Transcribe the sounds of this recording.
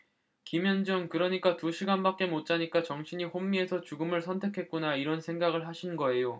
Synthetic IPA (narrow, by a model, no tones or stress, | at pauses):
kimjʌnd͡ʑɯŋkɯɾʌɲik͈atuɕʰiɡanbak͈̚e̞mot̚t͡ɕ͈aɲik͈at͡ɕʌŋɕʰiɲiɸomːie̞sʰʌt͡ɕuɡɯmɯɭsʰʌntʰe̞kʰe̞t̚k͈unaiɾʌnsʰe̞ŋɡaɡɯɭɦaɕʰinɡʌe̞jo